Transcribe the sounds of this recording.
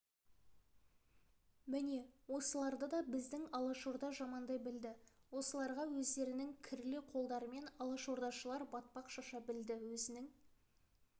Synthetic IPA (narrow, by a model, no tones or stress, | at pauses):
mɪne̞wo̞səlˠɑɾd̪əd̪ɑbɪzd̪ɪŋɑlˠɑʃoɾd̪ɑʒɑmɑnd̪ɑjbɪld̪ɪwo̞səlˠɑɾʁɑwɵzd̪e̞ɾɪnɪŋkʲʰɪɾlɪqʰo̞lˠd̪ɑɾəme̞nɑlˠɑʃoɾd̪ɑʃəlˠɑɾbɑt̪̚pɑqʃɑʃɑbɪld̪ɪwɵzɪnɪŋ